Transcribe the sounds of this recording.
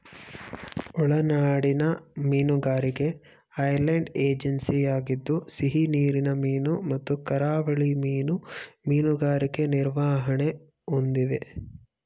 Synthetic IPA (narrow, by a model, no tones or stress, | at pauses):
ɔɭɐnaːɽinɐmiːnuɡaːɾiɡe̞ | ɐjɾlɐɳɖeːd͡ʒɐnsijaːɡid̪ːusiɦiniːɾinɐmiːnumɐt̪ːukɐɾaːʋɐɭimiːnumiːnuɡaːɾiɡe̞niɾʋaːɦɐɳe | ond̪iʋe